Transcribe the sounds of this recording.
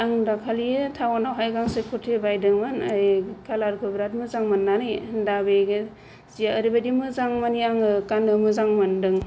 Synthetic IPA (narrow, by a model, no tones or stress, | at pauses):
aŋdakʰalijɯtʰawanawɦajɡaŋsekʰutʰebajdɯŋmanajkʰalaɾkʰɯbɾat̚mɯzaŋmanːanɯjdabeɡe | zijaəɾibadimɯzaŋmaniaŋɯkanɯmɯzaŋmandɯŋ